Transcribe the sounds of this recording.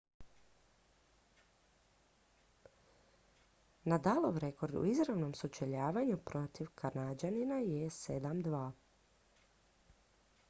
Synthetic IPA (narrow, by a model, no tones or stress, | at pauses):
nad̪alˠoʋɾe̞ko̞ɾd̪ṵizɾaʋno̞msut͡ʃeʎaːʋaɲupɾo̞t̪iʋkʰaɾnad͡ʒaninajesed̪amd̪ʋaː